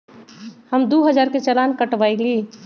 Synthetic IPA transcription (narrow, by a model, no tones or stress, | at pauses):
hɐmd̪oːɦɐd͡ʒaːɾket͡ʃɐlaːnkɐʈʋaːiɡiː